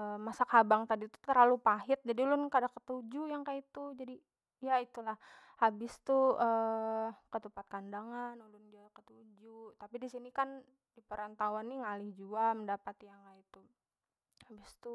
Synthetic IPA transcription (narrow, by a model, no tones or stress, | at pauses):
əmasakabaŋt̪adit̪u̥t̪ərlalupaɦɪt̪̚d͡ʒadilʊnkadakət̪ud͡ʒujaŋkait̪ud͡ʒadi | jait̪ulah | habɪst̪uʔə | kət̪əpat̪̚kandaŋanulʊndiakət̪ud͡ʒut̪apidisinikan | dipəɾant̪awanːiŋalɪhd͡ʒuaməndapat̪ijaŋkait̪u | habɪst̪u